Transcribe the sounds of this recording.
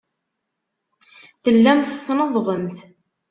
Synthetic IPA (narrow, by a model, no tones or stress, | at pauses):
θəlːæmθθnəðˤðˤənθ